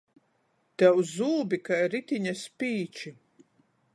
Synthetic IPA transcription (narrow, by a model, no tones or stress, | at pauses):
t̪ɛwzuːbikajɾit̪ʲiɲaspiːt͡ʃi